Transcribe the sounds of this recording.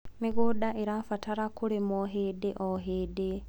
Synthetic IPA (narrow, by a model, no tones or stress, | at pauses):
miɣudaʔiɾafataɾakuɾemoɦedeʔoɦede